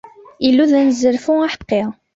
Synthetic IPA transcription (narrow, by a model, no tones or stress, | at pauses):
ilːuðænzəɾfʊaħə̥qːeʁ